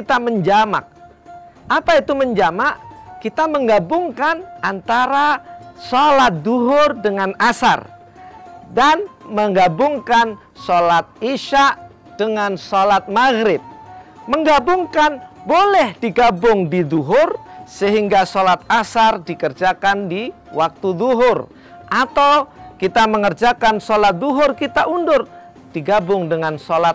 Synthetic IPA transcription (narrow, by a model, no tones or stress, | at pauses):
kit̪aməɲd͡ʒama̰k̚ | ʔapait̪uməɲd͡ʒamaʔkit̪aməŋɡabʊŋkanʔant̪aɾasolat̪̚d̪uɦʊrdəŋanasa̰r | danməŋɡabʊŋkan | solat̪̚iʃaʔ | d̥əŋansolat̪̚maɣɾɪb̚məŋɡabʊŋkanbolɛhd̥iɡabʊŋdiðuɦʊrsəɦiŋɡasolat̪̚asardikərd͡ʒakandi | wak̚t̪uðuɦʊr | ʔat̪awkit̪aməŋərd͡ʒakansolat̪̚d̪uɦʊrkit̪aʔundʊr | d̥iɡabʊŋdəŋansolat̪̚